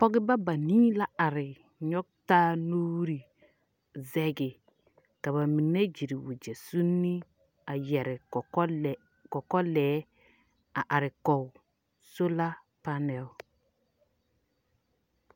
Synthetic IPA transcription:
pɔ˦ɡɪ˦ba˦ba˨niː˦la˦a˨ɾɪ˨ | ɲɔ˦k̚taː˦nuː˦ɾi˨ | zɛ˦ɡɪ˨ | ka˨βa˨mi˨ne˦d͡ʒi˨ɾi˨wu˨d͡ʒe˨su˦nːi˦ | a˨jɛ˨ɾɪ˨˦ | kɔ˨kɔ˦lɛː˨˦ | a˨ʔa˨ɾɪ˨kɔ˨w | so˦la˦ | pa˦nɛ˨˦w

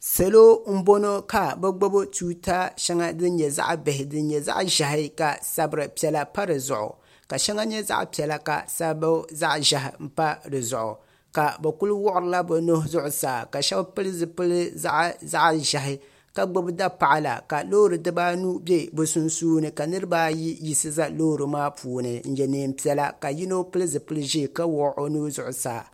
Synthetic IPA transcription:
sa˨lo˦m̩˦bo˦no˦ka˨bɛ˦ɡ͡bo˦bo˦tuː˦ta˦ʃɛ˦ŋa˦dɨ˦n˦ɲɛ˨za̰˦ʔbɪ˨hɪ˨dɨ˦n˦ɲɛ˨za̰˦ʔʒa˨ɦɪ˦ka˨sa˦bɨ˨ɾɨ˨pi˨˦ɛ˨la˦pa˦ɾɨ˨zʊ̰˨ʔʊ̰˨ | ka˨ʃɛ˦ŋa˦ɲɛ˦za̰˦ʔpi˨ɛ˨la˨ka̰˨sa˦ba˦za˦ʔʒa˨ɦɪ̰˨m̩˦pa˦dɨ˨zʊ̰˨ʔʊ̰˨ | ka˨bɛ˨kʊ˦lʊ˦wɔ˦ʔʊ˦ɾɨ˦la˦bɛ˨no˦hzʊ˦ʔʊ˨saː˨ka˨ʃɛ˦ba˦pɨ˦lɨ˦zɨ˨pɨ˦lɨ˦za̰˦ʔza˦ʔʒa˨ɦɪ˦ | ka˦ɡ͡bo˦bɨ˦da˦pa˨ʔa˦la̰˨ka˨lo˦ɾɨ˨dɨ˦ba˦nu˦bɛ˦bʊ˨sʊ˦nsuː˦nɨ˨ka˨nɨ˦ɾɨ˦baː˦ji˦ji˦sɨ˦za˦lo˦˨ɾɨ˨maː˦pʰuː˨nɨ˨n̩˦jɛ˨neː˨m̩˦pi˨ɛ˨la˦ka˨ji˦no˦pɨ˦lɨ˦zɨ˨pɨ˦lɨ˦ʒi˦˨ka˦wɔ˨˦ʔo˦nuː˦zʊ˦ʔʊ˨sa̰ː˨

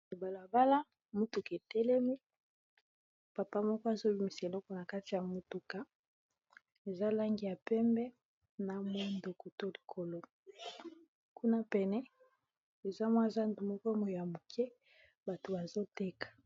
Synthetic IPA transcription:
e˨ba˨la˨ba˦la˦ | mu˦tu˨ke˨tɛ˦lɛ˦mi˦ | pa˨pa˦mɔ˦kɔ˦a˨zo˦bi˦mi˦˨se˨lɔ˦kɔ˨na˨ka˦ti˨ja˨mu˨tu˨ka˦ | e˨za˦la˦ŋɡi˨ja˨pɛ˦mbɛ˦ | na˨mo˦ndo˨ku˨to˦li̥˨kʰo˨lo˦ | ku˦na˦pɛ˨nɛ˦ | e˨za˦mwã˦˨za˦ndu˨mɔ˦kɔ˦mo˨jo˨ja˨mo˨kʰɛ˦ | ba˨to˨ba˨zo˦tɛ˦kḁ˨

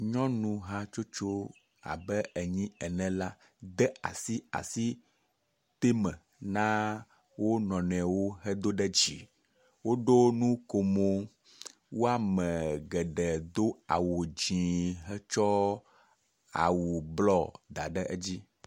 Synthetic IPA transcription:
ɲɔ̃˦nũ˨ɦa˦t͡ʃo˦t͡ʃo˦ | a̰˨bɛ˦ɛ˨ɲĩ˦ɛ˨nɛ̃˨la˦ | d̪ɛ˦a̰˨si˦a̰˨si˦ | t̪e˦mɛ̃˨ | nã˦ | wo˦nɔ̃˨nɛ̃˨wo˦ɦɛ˦d̪o˦ɖɛ˦d͡ʑi˨ | wo˦ɖo˦nũ˦ko˨mo˦ | wo˦a˨mɛ̃˨ɡɛ˨ɖɛ˨d̪o˦a̰˨wo˨d͡ʑĩ˨ɦɛ˦t͡ʃɔ˦ | a̰˨wu˨blɔ˦d̪a˨ɖɛ˦ʔɛ˦d͡ʑi˦

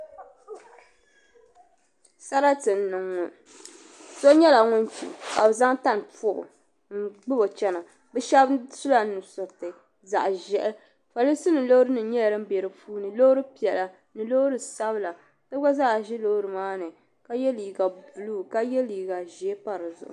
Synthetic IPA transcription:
sa˦ɾa˦tɨ˨n˦nɨ˨ŋːʊ˨ | so˦ɲɛ˦la˨ŋʊ˦n˦tḭ˨ka˨bza˦ŋta˦n˨pʊ˦˨bʊ̰˨ | ŋ̩˦˨ɡ͡bɨ˦bo˨t͡ʃɛ˦na˨ | bɛ˦ʃɛ˦bsu˦la˨˦nɨ˨sʊ˨tɨ˨ | za˨ʔʒɛ˦ʔɛ˦ | fa˨li˦si˦nɨ˨lo˦hʊ˦ɾɨ˦nɨ˨ɲɛ˦lɾɨ˦m̩˦bɛ˨ɾɨ˨puː˦nɨ˨lo˦ʊ˦ɾɨ˦pi˨ɛ˨la˨ | nɨ˨lo˦hɾɨ˨sa˦bɨ˦la˨ | tɨ˦bɡa˦za˦˨ʒɪ˦lo˦ɾɨ˨maː˦nɨ˨ | ka˦jɛ˦liː˨ɡa˨bu˨lu˦˨ka˦jɛ˦liː˨ɡa˨ʒɛ˨e˦pa˦ɾɨ˨zʊ̰˨ʔʊ̰˨

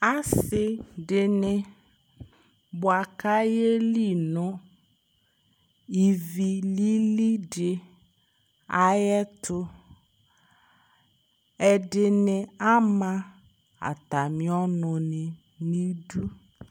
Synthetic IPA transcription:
a˦sɪ˦ɖɪ˨nɪ˨ | bʊ˨a˨ka˦je˦li˦˨nʊ̃˦ | i˨vi˨li˦li˦ɖɪ˨ | a˨jɛ˦t̪ʰʊ˦ | ɛ˨ɖɪ˨nɪ˨a˦mã˦ | a̰˨t̪a˨mĩ˦ɔ˦nʊ˨nɪ˨ | nĩ˦du˦

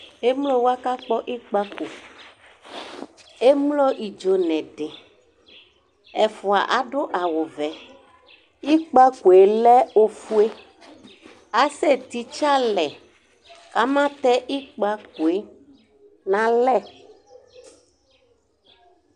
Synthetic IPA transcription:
e˦mlo˦wa˦ka˦k͡pɔ˦ʔi˦k͡pa˦ku˨ | e˦mlo˦ʔi˨d͡ʒo˨nɛ̃˨ɖe˨ | ɛ˨fo˨a̰˨ʔa˨ɖo˦ʔa˨wo˨vɛ˨ | i˦k͡pa˦ku˨e˨lɛ˦o˦fu˦e˦ | a˨se˦˨t̪i˨t͡ʃa˦lɛ˨ | ka˦mã˦t̪ɛ˦ʔi˦k͡pa˦k̚u˨e˦ | nã˨lɛ˦˨

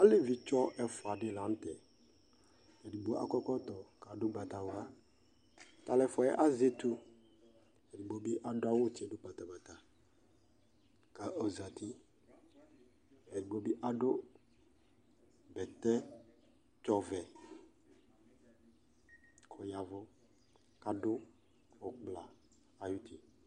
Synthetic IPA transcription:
a˦le˦vi˨t͡ʃɔ˦ʔɛ˦fʊ˨a˨dɪ˦lã˨˦n˦t̪ɛ˨ | ɛ˨di˨bo˨a̰˨kɔ˦kɔ˦t̪ɔ˨ka˨dʊ˦ɡ͡ba˨t̪a˨wa˦ | t̪a˨lɛ˨fɔ˨ɛ˦ʔa˦ze˦t̪u˦ | ɛ˨di˨bo˨bi˦ʔa˨dʊ˦a˦wʊ˦t͡ʃe˨dʊ˦k͡pa˨t̪a˨ba˨t̪a˨ | ka˨ʔo˨za˨t̪ʰi˦ | e˨ɾi˨ɡ͡bo˨˦bi˦ʔa˦ɖo˦ | bɛ˨t̪ɛ˦ | t͡ʃɔ˦vɛ˨ | kʰɔ˨ja˨vɔ˦ | ka˨ɖʊ˦ | wo˨k͡plaː˨ | ju˦t̪i˨

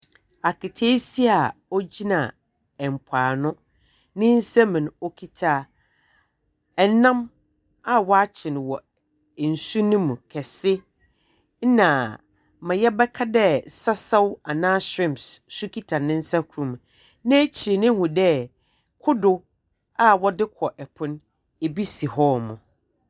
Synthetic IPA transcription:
a˨kɪ˨tʰe˦si˦a˨ɔ˦d͡ʑi˦nã˨ | ɛ˨m˨pʰaː˨nʊ̃˦ | nɪ̃˦n̩˦sɛ˦mɪ̃˨n˨ɔ˦kʰi˦tʰaː˦ | ɛ˨nã˦m | a˦wɔ˦a˦t͡ɕʰɪ˨n˨wɔ˨ | n̩˨su˦nʊ̃˦mũ˨kʰɛ˨sɪ˦ | nã˨ | mã˨jɛ˦bɛ˦kʰa˦dɛ˦sa˦sa˦wa˨nãː˦ɕɪ̃˦˨mssu˦kʰi˦tʰa˨nɪ̃˦n̩˦sa˦kʰu˨ɾũ˨m˨ | nã˦t͡ɕʰi˨ɾe˨nɪ̃˦hũ˨dɛ˦ | kʰʊ˦dʊ˨ | a˦wɔ˦dɪ˦kʰɔ˨ʔɛ˨pʰʊ̃˦n | e˨bi˦si˨hɔ˦mʊ̰̃˨

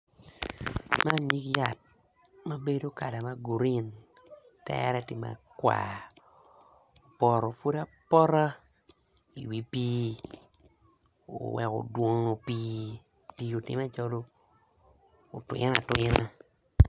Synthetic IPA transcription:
ma˦ɲi˦kja˨t̚ | ma˦be˦do˦ka˨da˨ma˦ɡu˨ɾi˦n | tɛ̰˦ɾɛ˦tɪ˨ma̰˨kwa̰˨ | o˨pɔ˨ɾɔ˨fu˦da˦pɔ˦ɾa˦ | i˨wi˨˦piː˦ | o̰˨wɛ̰˨ko̰˨dwo˦ŋo˨piː˦ | piː˦o˨tɪ̰˨ma˦t͡ʃɔ˦lo˦˨ | twɪ̰˦na˨twɪ˦na˦

